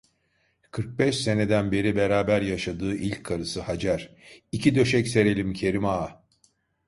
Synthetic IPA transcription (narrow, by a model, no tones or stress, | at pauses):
kʰɯɾk̚bɛʃse̞ne̞d̪ænbe̞ɾibe̞ɾaːbæɾjaʃad̪ɯːʔilʲcʰːaɾɯsɯhad͡ʒæɾ̥icʰid̪ø̞ʃɛcse̞ɾe̞lʲimcʰe̞ɾimaː